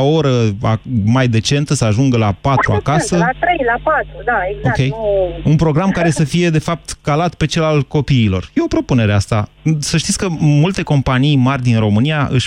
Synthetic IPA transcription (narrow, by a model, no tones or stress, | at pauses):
o̞ɾəamajd̪e̞t͡ʃe̞nt̪əsəaʒuŋɡəlapat̪ɾua̰kasəat̪ɾejlapat̪ɾud̪aeɡzoakʲe̞junpɾo̞ɡɾamkaɾe̞səfije̞d̪e̞fap̚t̪kalat̪pe̞t͡ʃe̞lalko̞piːlo̞̰rje̞opɾo̞pune̞ɾeast̪a | səʃ̬t̪it̪sʲkəmult̪e̞ko̞mpanijmarʲd̪inro̞mɨnijaʔɨ̰ʃʲ